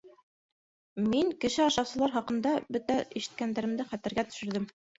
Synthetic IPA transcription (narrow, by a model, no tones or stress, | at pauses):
miŋkɘ̆ʃɘɑʃɑsɤ̆lˠɑɾɦɑqɤ̆nd̪ɑbɵt̪æiʃɘ̥̆t̪̚kænd̪æɾɘ̆md̪ɘχæt̪æ̆ɾɡæt̪ɵ̥̆ʃɘ̆ɾðɘm